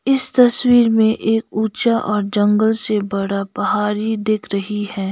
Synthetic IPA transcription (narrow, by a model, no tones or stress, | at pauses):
ɪst̪ɐswiːɾmẽʔeːkuːt͡ʃaʔɔːɾd͡ʒɐ̃ŋɡəlsebɐɽapɐɦaːɾid̪ɪːkʰɾɐɦihɛː